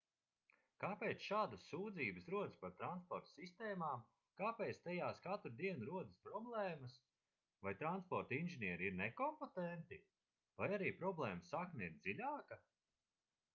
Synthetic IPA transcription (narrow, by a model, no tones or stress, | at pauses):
kaːpeːt̪sʃaːd̪ɐsːuːd̪ziːbəsɾuɔd̪spaɾt̪ɾanspɔɾt̪sist̪ɛːmaːm | kaːpeːt̪st̪ɛjaːskat̪ɾd̪iɛnɾuɔd̪əspɾɔblˠɛːmɐs | vajt̪ɾanspɔɾt̪inʒiniɛɾiiɾnekɔmpot̪ɛnt̪i | vajaɾiːpɾɔblˠɛːmasaknɛiɾd̪z̥ilʲaːkɐ